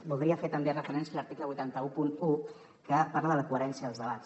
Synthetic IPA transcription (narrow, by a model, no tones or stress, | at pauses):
bulˠd̪ɾiafet̪əmberəfəɾɛnsiələɾt̪ikləβujt̪ant̪əupunu | kəpaɾləðələkuəɾɛnsijəðəlˠzðəβ̞att͡s